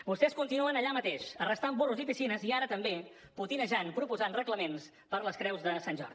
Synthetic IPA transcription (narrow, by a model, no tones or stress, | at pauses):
bust̪ɛskunt̪inuənəʎamət̪eʃərəst̪ambɔruzipisinəziaɾət̪əmbe | put̪inəʒanpɾupuzanrəkləmens | pəɾləskɾɛwzðəsanʒɔ̰rði